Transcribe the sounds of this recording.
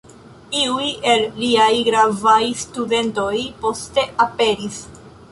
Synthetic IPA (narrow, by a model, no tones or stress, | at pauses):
iuje̞lːiajɡɾavajstude̞nto̞jpo̞ste̞ʔape̞ɾis